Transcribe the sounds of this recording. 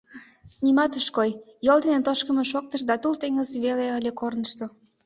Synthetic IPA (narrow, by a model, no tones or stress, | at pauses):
nimɑt̪əʃkoj | jold̪enent̪oʃkə̆meʃok̚t̪əʃd̪ɑt̪ult̪eŋəzβeleəlʲekornəʃt̪o